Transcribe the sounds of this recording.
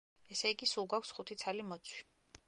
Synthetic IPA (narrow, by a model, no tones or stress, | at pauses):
ɛsɛiɡisulˠɡwakʷʰsχut̪ʰit̪sʰalimɔt̪sʰwi̥